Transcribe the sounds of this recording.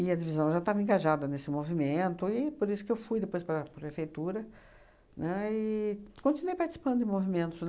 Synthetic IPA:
ɪɐd͡ʒivizɐ̃w̃ʒat̪avɐẽŋɡaʒad̪ɐnesɪmovimẽnt̪ʊɪpoɾisʊ̥kɪewfujd̪epojspɾɐpɾpɾefejt̪uɾɐ | nɛɪkõnt͡ʃ̪inuejpaɾt͡ʃi̥si̥pɐ̃nd̪ʊdɪ̃movimẽnt̪ʊzn

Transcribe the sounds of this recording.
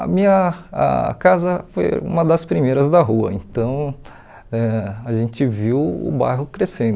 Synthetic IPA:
ɐ̰mĩɲɐa̰kazɐfo̰jṵ̃mɐd̪ɐspɾimejɾɐzd̪ɐɦuɐ̰ḛ̃nt̪ɐ̃w̃ | ɛaʒẽnt͡ʃɪviwʊ̰ba̰jɦʊkɾesẽnd̪ʊ

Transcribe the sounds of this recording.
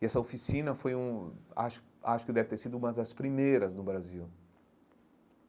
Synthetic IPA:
ɪɛsɐofisĩnɐfojũa̰ʃʊ̥ | aʃʊ̥kɪd̪ɛvɪt̪eɾsid̪ʊũmɐzd̪ɐspɾimejɾɐznʊbɾaziw

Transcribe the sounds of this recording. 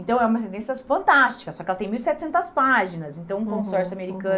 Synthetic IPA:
ẽt̪ɐ̃w̃ɛumɐs̬ẽnt̪ẽsiɐfɐ̃nt̪ast͡ʃi̥kɐsɔkɪɛlɐt̪ẽj̃miwisɛt͡ʃɪsẽnt̪ɐspaʒinɐsẽnt̪ɐ̃w̃ũkõsɔɾsjʊameɾikɐ̃

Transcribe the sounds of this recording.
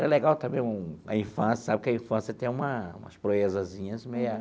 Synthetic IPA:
ɛɾɐleɡawt̪ɐmẽj̃ũɐ̰ĩfɐ̃sjɐsabɪkɪɐĩfɐ̃siɐt̪ẽj̃ũmɐṵ̃mɐspɾoezɐzĩɲɐzmeja

